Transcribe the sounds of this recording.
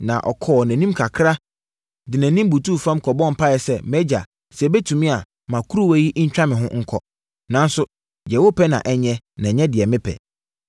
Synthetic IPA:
nã̰˨ʔɔ˨kʰɔː˦˨næ̃˨nĩ˦mkʰa˨kʰɾa˦ | dɪ˨næ̃˨nĩ˦m˦bu˨tʰu˦˨fã˦mkʰɔ˨bɔ̃˦m˨pʰa˦jɛ˨sɛ˦˨mɛ˦d͡ʑa̰˨ | sɛ˨bɛ˦tʰũ˨mĩ˦a˨ | mã˨kʰu˦ɾu˦˨wæ˦ji˦ʔɲ̩˦t͡ɕᶣã˦mɪ̃˨ɦʊ̃˦ŋ̩˦kʰɔ˦ | nã˦n˦sʊ˦ | d͡ʑɛ˨wo˦pʰɛ˦nã̰˨ʔɛ˨ɲɛ̃˦ | nã˨ɲɛ̃˦dɪ˨ɛ˨mɪ̃˦pʰɛ̰˨

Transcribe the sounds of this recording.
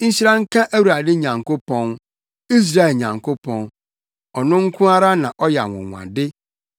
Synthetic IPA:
ɲ̩˦ɕi˦ɾã˦ŋ̩˦kʰã˦ʔæ˦wu˨ɾa˨dɪ˦ɲã˨ŋko˦pɔ̃˦n | i˦s̬ɾa˦ɛ˨ɲã˨ŋko˦pʰɔ̃˨n | ɔ˨nʊ̃˦ŋ̩˦kʰʊ̃˦a˦ɾa˦nã˨ʔɔ˦jɛ̰˨wʊ̰̃˨ŋʷ˨ã̰˨dɪ˦

